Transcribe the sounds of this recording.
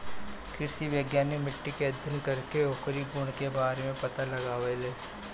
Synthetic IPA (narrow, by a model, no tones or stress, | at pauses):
kɾɪʃiʋjəɡjaːnemɪʈːikeɐd̪ʱjənkɐɾkeoːkɾiɡuɽ̃kebaːɾemẽpɐt̪alɐɡaːʋeleː